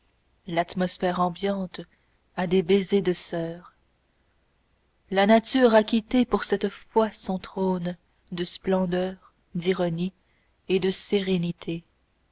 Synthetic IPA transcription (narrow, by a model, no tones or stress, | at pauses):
lat̪mɔsfɛːʁɑ̃bjɑ̃t̪ | ad̪ebezed̪əsœːʁ | lanat̪yːʁakʲit̪epuʁsɛt̪fwasɔ̃t̪χon | d̪əsplɑ̃d̪œːʁ | d̪iʁɔni | ed̪əseʁenit̪ʰe